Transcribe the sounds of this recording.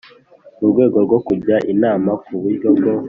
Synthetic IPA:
uɾɡwe̞ːɡo̞ɾɡo̞kuɟaʔinaːmakuβuɾɟobɡo

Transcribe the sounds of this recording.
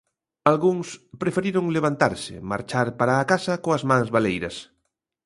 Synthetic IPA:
alɣuŋspɾefeɾiɾoŋleβ̞ant̪a̰ɾsɪ̰ma̰ɾt͡ʃaɾpaɾaːkasɐkoazmãŋzβalejɾɐs

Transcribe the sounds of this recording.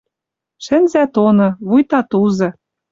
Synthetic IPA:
ʃɘ̆nzæt̪onɤ̆βujt̪ɑt̪uzɤ̆

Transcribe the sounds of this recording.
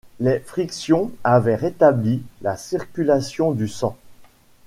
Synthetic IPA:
lefχiksjɔ̃avɛʁet̪ablilasiʁkʲylasjɔ̃d̪ysɑ̃

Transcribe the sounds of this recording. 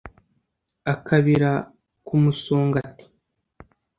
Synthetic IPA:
akʰaβiɾa | kumusuːŋɡati̥

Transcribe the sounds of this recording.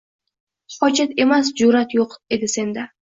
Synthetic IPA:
qɒt͡ʃet̪emas̬d͡ʒuɾat̪joqd̪ed̪ɪsend̪a

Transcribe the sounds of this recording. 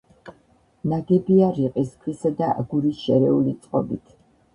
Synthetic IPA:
naɡɛbiaɾiqʼiskʰwisad̪aa̰ɡuɾisʃɛɾɛulit̪sʼqʼɔ̰bit̪ʰ

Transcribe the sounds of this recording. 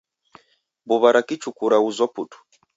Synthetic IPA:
buβaɾakit͡ʃukuɾauzɔputu̥

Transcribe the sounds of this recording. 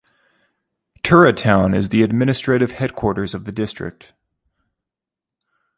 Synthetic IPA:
tʰɜ˞ɨtʰãʊ̃nɨzðiɨd̚mɪ̃ñɨstɹ̥eɪɾɨv̥hɛd̚kʰw̥ɔɹɾə˞zʌvðɨdɪstɹ̥ɪ̰k̚t̚

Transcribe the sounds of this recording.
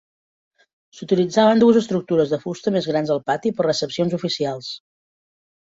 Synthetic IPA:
sut̪ilid͡zaβənd̪uəzəst̪ɾuk̚t̪uɾəzðəfust̪əmezɣ̞ɾanzəlˠpat̪ipərrəsəpsionzufisialˠs

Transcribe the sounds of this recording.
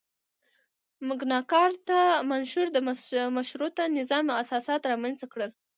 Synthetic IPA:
mʊɡnɑkɑɾt̪amanʃuɾd̪əmmaʃɾot̪anɪzɑmasɑsɑt̪ɾɑmanzt̪akɽəl

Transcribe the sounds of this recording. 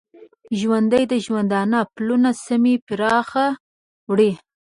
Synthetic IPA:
ʒwand̪əjd̪əʒwand̪ɑnaplunasamipɪɾɑxa | wɽi

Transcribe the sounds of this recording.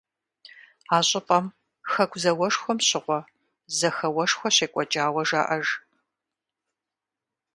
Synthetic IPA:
aːɕʼɪpʼɐm | xɐkʷʰzɐwɐʂxʷɔmɕɪʁʷɔ | zɐxɐwɐʂxʷɔɕeːkʷʼɔt͡ʃʼaːwɐʒa̰ʔɐʒ

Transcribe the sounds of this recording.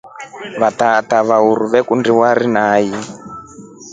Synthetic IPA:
βat̪at̪aβauɾuβɛkundiwaɾinaːji

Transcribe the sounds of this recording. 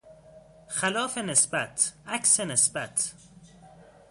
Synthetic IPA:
xælɒːfenesbæt̪ʰʔæksenesbæt̪ʰ

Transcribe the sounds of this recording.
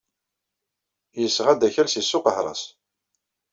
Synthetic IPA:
jəsːʁæd̪æçælsisːʊqəħɾˤɑ̰s

